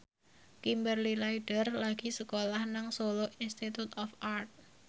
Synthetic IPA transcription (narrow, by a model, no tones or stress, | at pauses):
kimbərlilaiɖ̥ərlaɡ̥i̤səkolahnaŋsoloʔinst̪it̪ut̪ɔfart̪̚